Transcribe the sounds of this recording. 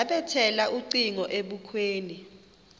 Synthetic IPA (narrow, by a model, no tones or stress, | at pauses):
aɓɛtʰɛlaʔuǀiŋɔʔeɓukʰweːni